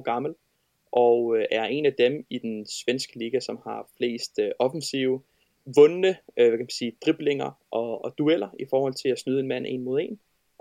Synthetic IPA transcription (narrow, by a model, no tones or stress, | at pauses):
ɡ̥ɑ̈ml̩ | ʔɒʔæɐe̝næd̥emid̥ensʋensɡ̥əliːɡ̥æsɒ̽mhɑ̈fle̝̰ːsd̥ʔɒ̽fn̩siʊ | ʋɔ̽nːəøʋækʰæmænsiːd̥ʁib̥le̝ŋɐʔɒ̽ːd̥uel̰ɐifɒːhɒ̽l̰t͡sʰe̝læsnyðˠe̝nmæn̰ʔe̝̰ːnmo̝ð̞ˠe̝̰n